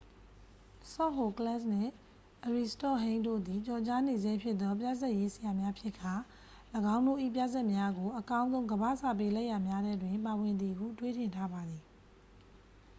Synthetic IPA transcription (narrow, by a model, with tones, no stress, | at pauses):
sɔ˦˨ɦo˨klɛ˦˨snɪ̰̃˦˨ | ʔəɹi˨stɔ˦˨ɦẽ˦ɪ̃ndo̰˦˨d̪i˨t͡ɕɔ˨t͡ɕa˦ne˨ze˦pʰjɪ˦t̪ːɔ˦p̬ja̰˦˨zɛ˦ʔje˦səja˨mja˦pʰjɪ˦ʔkʰːa˨ | ləɡã˦ʊ̃ndo̰˦˨ʔḭ˦˨p̬ja̰˦˨zɛ˦ʔmja˦ɡo˨ʔəkã˦ʊ̃nzõ˦ʊ̃ŋɡəbä̰˦˨sa˦˨p̬e˦lɛ˦ʔja˨mja˦ɾɛ˦dwɪ̃˨mpa˨wɪ̃˨nd̪i˨ʔəɡṵ˦˨twe˦˨tɪ̃˨ntʰa˦ba˨d̪i˨